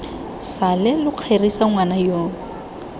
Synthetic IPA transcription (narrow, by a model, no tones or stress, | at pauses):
salɪlʊq͡χʰerisaŋwanajoːŋ